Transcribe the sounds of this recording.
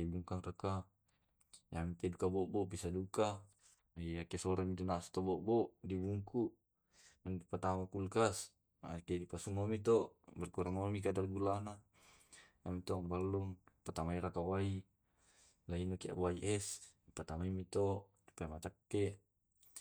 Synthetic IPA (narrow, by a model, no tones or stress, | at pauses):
ibuŋkaŋrəka | jamit̪ɛdukabɔʔbɔʔpisaduka | iakɛsɔɾamit̪unasu̥t̪obɔʔbɔʔdibuŋkuʔ | daŋdipat̪amakulkas | a̰kedipasumamit̪ɔʔbɛrkuɾaŋomik̬adarɡulana | amit̪ɔŋbalːuŋpat̪amaiɾakawai | lainokia̰ʔwaiʔɛsdipat̪amaimit̪ɔʔ | di̥pamat͡ʃakːɛʔ